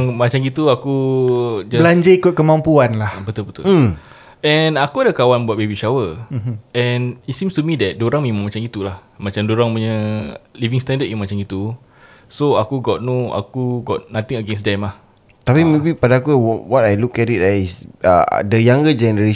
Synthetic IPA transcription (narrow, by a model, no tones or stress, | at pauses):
ŋmat͡ʃamɡit̪uaku | d͡ʒabəlaɲd͡ʒaikʊt̪̚kəmampuanlahbət̪ʊlbət̪ʊ | ɛnakuadəkawanbuat̚bebiʃawə | ɛnisimst̪umidɛt̚doɾaŋmə̃imãŋmat͡ʃaŋɡit̪ulah | mãt͡ʃamdoɾaŋpuɲəlivĩŋst̪ɛ̃ndət̚jamat͡ʃaŋit̪u | soakuɡɔt̚noa̰kuɡɔt̚nat̪iŋəɡɛns̬dɛmah | t̪apimebipadaakuwɔwɔtajlukɛtit̚isə̰dəjaŋɡəd͡ʒɛnəɾe